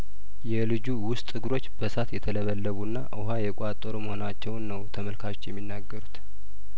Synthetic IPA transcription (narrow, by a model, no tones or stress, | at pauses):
jɛlɨd͡ʒuwʊst̪ʼɨɡɾo̞t͡ʃːbəsat̪jɛt̪ʰələβəlːəβunːaʔɨɦajɛkʼat̪ʼːoɾuməhonat͡ʃːɛwnːəwt̪ʰəməlkʰat͡ʃːjɛmːinːaɡːəɾut̪